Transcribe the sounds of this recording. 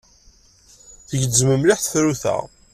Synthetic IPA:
θəʝəzməmlɪħθθɾuθæ̰ʁ

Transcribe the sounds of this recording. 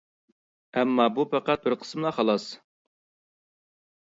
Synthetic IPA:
ɛmːɑbupʰæqæt̪̚b̥ɪɾqʰə̥smlˠɑχɑlˠɑs

